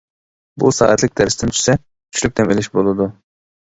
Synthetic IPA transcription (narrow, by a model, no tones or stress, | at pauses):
busɑ̰ːʔɛt̪lɪk̚ʲd̪æɾsɪd̪ɪnt̪ʰy̥ʃsɛ | kʰy̥t͡ʃʰlyk̚ʲd̪ɛmelɪʃbolˠɨd̪u